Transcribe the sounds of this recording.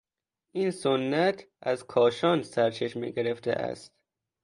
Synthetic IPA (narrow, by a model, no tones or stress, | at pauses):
ʔiːnsonːæt̪ʰ | ʔæzkʰɒːʃɒːnsæɾt͡ʃʰeʃmḭɡeɾeft̪ḛʔæ̰st̪